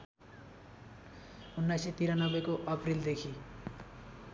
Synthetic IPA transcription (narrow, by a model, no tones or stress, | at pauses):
unːajset̪iɾanʌbekoʔʌpɾild̪ekʰi